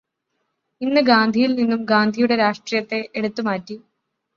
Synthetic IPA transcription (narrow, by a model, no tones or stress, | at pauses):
inːɨɡaːnd̪ʱijilninːumɡaːnd̪ʱijuɽe̞ɾaːʂʈrijɐt̪ːe̞ʔeɽut̪ːumaːtːi